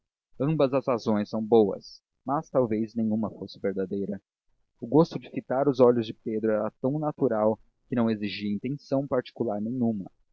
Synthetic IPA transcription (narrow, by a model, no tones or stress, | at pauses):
ɐ̃mbɐzɐzhazõj̃sɐ̃w̃bowɐ̰s | mɐst̪awvejznẽjɲ̃ũmɐfosɪveɾd̪ad̪ejɾɐ | ʊɡost̪ʊd͡ʒɪfit̪aɾʊzɔʎʊzd͡ʒɪped̪ɾʊɛɾɐt̪ɐ̃w̃nat̪uɾaw | kɪnɐ̃w̃eziʒiɐĩnt̪ẽsɐ̃w̃paɾt͡ʃi̥kulaɾnẽj̃ũmɐ̰